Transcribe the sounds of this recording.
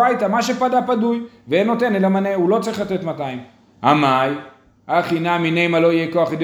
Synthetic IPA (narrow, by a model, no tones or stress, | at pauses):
ajt̪amaʃ̬epad̪apadujveeno̞t̪enelamaneulo̞t͡saʁiχlat̪et̪mat̪aim | a̰maj | aχinaminejmalo̞ijeko̞aχid̪